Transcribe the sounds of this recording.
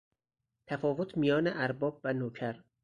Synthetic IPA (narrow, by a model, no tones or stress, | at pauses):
t̪ʰæfɒːvo̞t̪ʰmijɒːneʔæɾbɒːbvænoːcʰæɾ